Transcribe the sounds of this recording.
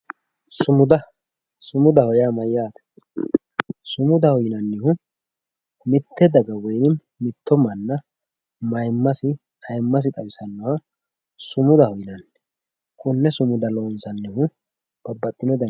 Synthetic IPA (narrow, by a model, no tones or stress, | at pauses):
sʊmʊd̪ɐ | sʊmʊd̪ɐhɔjaːmɐjːaːt̪ɐ̥ | sʊmʊd̪ɐhɔjɪnɐnːɪhʊ | mɪt̪ʰːɛd̪ɐɡɐwɔjnɪ | mɪt̪ʰːɔmɐnːɐ | mɐjmːɐsɪ | hɐjmːɐs̬ɪt̪ʼɐwɪsɐnːɔhɐ | sʊmʊd̪ɐhɔjɪnɐnː | kʼʊnːɛsʊmʊd̪ɐloːnsɐnːɪhʊ | b̥ɐbːɐt̪ʼːɪnɔd̪ɐ